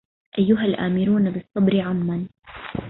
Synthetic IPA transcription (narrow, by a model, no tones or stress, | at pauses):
ʔajːʊɦalʔaːmɪɾuːnabɨsˤːɑbɾɪʕamːan